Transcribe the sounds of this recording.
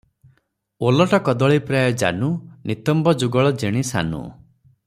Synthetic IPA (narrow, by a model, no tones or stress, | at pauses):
olɔʈɔkɔd̪ɔɭipɾajɔd͡ʒa̰nunit̪ɔmbɔd͡ʒuɡɔɭɔd͡ʒeɽ̃isa̰nṵ